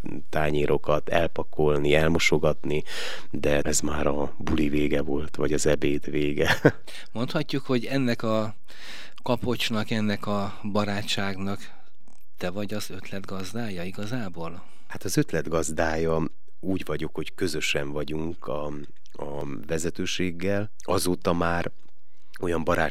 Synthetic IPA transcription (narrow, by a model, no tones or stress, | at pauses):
t̪aːɲeːɾʔo̞kɒt̪ɛ̰lpɒko̞lniɛlmo̞ʃo̞ɡɒt̪ni | d̪ɛɛzmaːɾɒbuliveːɡɛvo̞lt̪ʋɒɟɒzɛbeːt̪ʋeːɡɛ | mo̞nt̪hɒcːukho̞ɟɛnːɛkɒ | kɒpo̞t͡ʃnɒkɛnːɛkɒ | bɒɾaːt͡ʃt͡ʃːaːɡnɒk | t̪ɛvɒɟɒzø̞t̪lɛd̪ɡɒzd̪aːjɒiɡɒzaːboːl | hat̪ɒzø̞t̪lɛd̪ɡɒzd̪aːjɒ | uːɟvɒɟo̞kho̞ckø̞zø̞ʃɛɱvɒɟuŋkʰɒ | ɒ | vɛzɛt̪øːʃeːɡːɛl | ɒzoːt̪ɒmaːr | o̞jɒmbɒɾa̰ː